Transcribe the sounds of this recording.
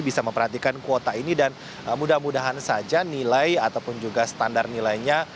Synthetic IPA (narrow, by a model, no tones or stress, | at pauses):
bisaməmpərhat̪ikankuot̪ainidan | əmudahmudaɦansad͡ʒanilajat̪awpʊnd͡ʒuɡasə̥t̪andarnilajɲa